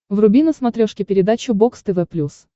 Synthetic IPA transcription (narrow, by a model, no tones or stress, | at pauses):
vrʊbʲinəsmɐt̪ɾʲoʂkʲɪpʲɪɾʲɪd̪at͡ɕʊbokst̪ɛvɛplʲus